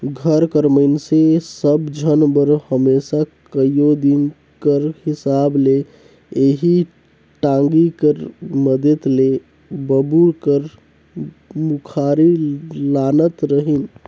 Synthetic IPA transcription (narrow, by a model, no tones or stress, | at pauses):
ɡʱəɾkəɾməɪnsesəbd͡ʒʱənbəɾhəmesakəjjod̪in | kəɾhisable | eɦi | ʈãŋɡikəɾməd̪et̪le | bəbuɾkəɾ | mukʰaɾilanət̪ɾəɦin